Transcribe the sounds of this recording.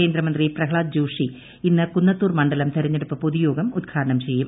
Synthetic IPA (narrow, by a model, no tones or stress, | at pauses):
eːnd̪ɾɐmɐnd̪riprɐkʰɭaːd̪̚d͡ʑuːʂi | inːɨkunːɐt̪ːuːrmɐɳɖɐlɐmt̪ʰeɾiɲːeɽupːɨpoðujo̞ːɡɐmud̪̚ɡʰaːɾɐɳɐmt͡ɕe̞jːum